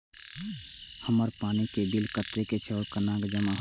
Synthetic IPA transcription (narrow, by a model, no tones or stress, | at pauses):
həməɾpaːnikebilkət̪ɾeket͡ʃʰeɔɾkənakd͡ʒəmaɦ